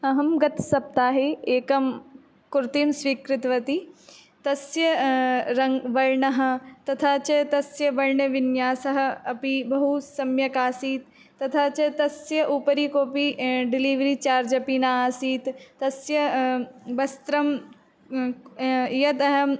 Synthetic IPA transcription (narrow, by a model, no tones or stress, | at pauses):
ɐɦɐmɡɐt̪sɐp̚t̪aːɦeeːkɐm | kʊɾt̪imsʋiːkɾɪt̪ʋɐt̪i | t̪ɐsjɐɾɐŋʋɐɾɳɐɦɐ̆t̪ɐt̪ʰaːt͡ʃɐt̪ɐsjɐʋɐɻɳɐʋɪnjaːsɐɦɐ̆ɐpibɐɦusɐmjɐkaːsiːt̪ː | ɐt̪ʰaːt͡ʃɐt̪ɐsjɐʔuːpɐɾiːkoːpiɖɪliːʋɾiːt͡ʃaːɾd͡ʒɐpinaːsiːt̪ːɐsjɐ | bɐst̪ɾɐm | jɐd̪ɐɦɐm